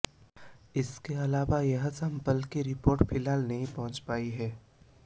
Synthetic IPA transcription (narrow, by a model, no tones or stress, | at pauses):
ɪskeɐlaːʋajɐɦsɐ̃mpəlkiɾɪpoːɾʈpʰɪlaːlnɐɦĩpɐɦʊ̃nt͡ʃpaːiɦɛː